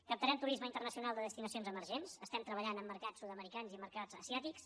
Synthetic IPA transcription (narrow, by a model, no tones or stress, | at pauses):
kəp̚t̪əɾɛmt̪uɾizməint̪ərnəsiunalˠd̪əðəst̪inəsionzəməɾʒensəst̪ɛmt̪ɾəβəʎanəmːəɾkat͡sːuðəməɾikanziməɾkad͡zə̰siat̪iks